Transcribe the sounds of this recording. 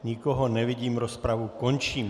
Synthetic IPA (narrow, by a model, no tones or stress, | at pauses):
ɲikɔɦɔnɛʋiɟiːmɾɔspɾaʋukɔnt͡ʃiːm